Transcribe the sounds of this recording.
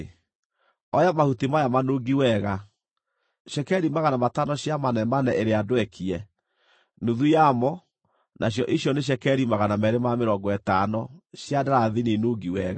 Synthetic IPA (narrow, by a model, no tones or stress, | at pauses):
ɔjamahutimajamanoːɡiwɛɣa | ɕɛkɛɾimaɣanamatanɔɕjamanɛmanɛeɾeadwɛkʰiɛ | nuðujamɔ | nʔaɕ̬jɔʔiɕjɔneɕ̬ɛkɛɾimaɣanamɛɾemameɾɔɡɔɛtanɔɕjadaɾaðinenoːɡiwɛɣa